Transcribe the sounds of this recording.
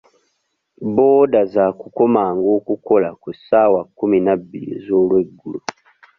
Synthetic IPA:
bodazakukomaŋɡokukolakusawakuminabilḭzolweɡulo

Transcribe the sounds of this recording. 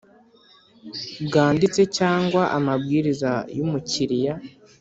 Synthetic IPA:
bɡaːndit͡se̞caːŋɡwaʔamabɡiːɾizajumuciɾija

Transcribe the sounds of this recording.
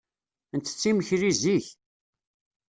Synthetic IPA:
ənt̪ːə̥t͡sːiməçɾiziç

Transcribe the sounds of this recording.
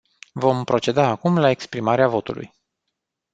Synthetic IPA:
vo̞mpɾo̞t͡ʃe̞d̪aːkumlae̞kspɾimaɾeavo̞t̪ṵlṵj

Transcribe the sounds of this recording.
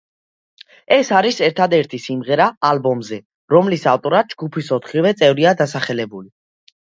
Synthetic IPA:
ɛsaɾisɛɾt̪ʰad̪ɛɾt̪ʰisimʁɛɾaːlbɔmzɛ | ɾɔmlisaft̪ʼɔɾad̪̚d͡ʒɡupʰisɔt̪ʰχivɛt̪sʼɛvɾiad̪asaχɛlɛbuli

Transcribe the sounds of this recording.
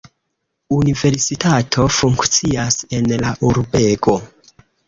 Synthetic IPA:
unive̞ɾsitʰatʰo̞fuŋkt͡siase̞nlaʔuɾbe̞ɡo̞

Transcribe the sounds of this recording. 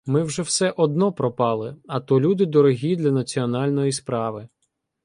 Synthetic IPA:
mɪwʒɛwsɛʔɔd̪nɔpɾɔpɑlˠɪɐt̪ɔlʲud̪ɪd̪ɔɾɔɦʲid̪lʲɐnɐt͡sʲiɔnɑlʲnɔjispɾɑʋɪ

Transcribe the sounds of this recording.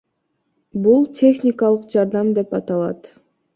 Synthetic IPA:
bulˠtʲʰe̞xnʲɪkɑlˠɯqd͡ʒɑɾd̪ɑmd̪e̞pɑt̪ɑlˠɑ̰t̪

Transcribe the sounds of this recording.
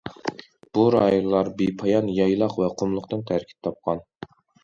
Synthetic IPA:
b̥uɾɑːjolːˠɑɾbepʰɑjɑnjɑjlˠɑqvɛqʰomlˠʊqt̪ɨnt̪ʰæɾkʲʰi̥p̚t̪ʰɑp̚qʰɑn

